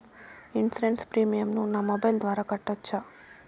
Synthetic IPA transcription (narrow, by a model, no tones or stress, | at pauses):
insiɾenspɾiːmijɐmnunaːmɔbɐjld̪ʋaːɾaːkɐʈːɐt͡ʃːa